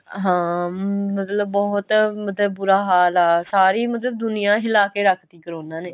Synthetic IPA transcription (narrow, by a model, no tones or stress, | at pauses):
ɦãːmət̪ləbːɔːɦt̪mət̪ləbːʊɾaːɦaːlaːsaːɾiːmət̪ləb̚d̪ʊnɪjãːɪlaːkeːɾəkʰt̪iːkəɾoːnãːneː